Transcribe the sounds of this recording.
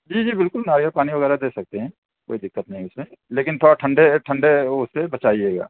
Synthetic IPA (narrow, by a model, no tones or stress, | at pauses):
d͡ʒiːd͡ʒiːbɪlkʊlnaːɾijəpaːniʋɐɣɛːɾad̪eːsɐk̚t̪eɦɛ̃ː | ko̰ːid̪ɪkːət̪nɐɦĩʊsmẽleːkɪnt̪ʰoːɽaʈʰɐ̃ɳɖeʈʰə̃ɳɖeʊsːebɐt͡ʃaːieːɡa̰ː